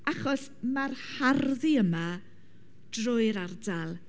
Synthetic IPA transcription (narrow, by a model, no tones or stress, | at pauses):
aχɔs | marharðiəma | d̥rʊɨɾardalˠ